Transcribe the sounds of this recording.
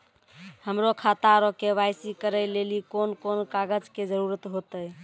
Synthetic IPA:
həmɾokʰat̪aɾɔkebajsikəɾəjlelikonkonkaɡəd͡ʒked͡ʒəɾuɾət̪ɦot̪əj

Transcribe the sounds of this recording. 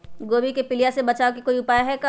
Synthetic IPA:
ɡoːbikepɪlijasebɐt͡ʃaːok̬ikoːiʊpaːjaɦɛka

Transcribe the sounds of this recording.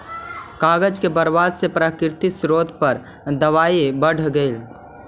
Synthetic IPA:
kaːɡəd͡ʒkebəɾʋaːzsepɾakɾt̪isɾoːd̪pəɾ | d̪əʋaːibəɽ̤ɡəɪl

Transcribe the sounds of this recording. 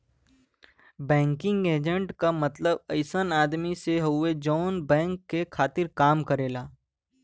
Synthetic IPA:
bɛ̃ːŋkɪ̃ŋɡeːd͡ʒə̃ɳʈkamɐt̪ləbɐɪsənaːd̪miseɦɐed͡ʒɔːnbɛ̃ːŋkːekʰaːt̪ɪɾkaːmkɐɾeːlaː

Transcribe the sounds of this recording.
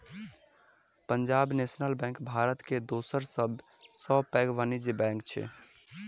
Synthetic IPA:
pənd͡ʒabnesnəlbɛ̃ŋkbʱaɾət̪ked̪osəɾsəbʱ | səbpɛɡʋanid͡ʒebɛ̃ŋk̚t͡ʃʰɛ̰

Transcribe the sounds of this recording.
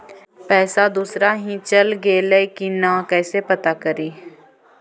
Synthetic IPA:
pɛːsad̪uːsɾaɦĩt͡ʃɐlɡeːlekinakɛːsepɐt̪akɐɾiː

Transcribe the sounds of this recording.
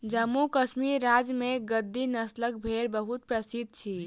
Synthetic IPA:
d͡ʒəmːukəsmiɾːad͡ʒmeɡəd̪ːinəslək̚bʱeɾbəɦut̪̚pɾəsid̪̚ʱt͡ʃʰi

